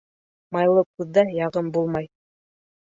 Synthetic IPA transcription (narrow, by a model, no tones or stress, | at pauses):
mɑjlˠɤkʉðːæjɑʁɤmbulˠmɑj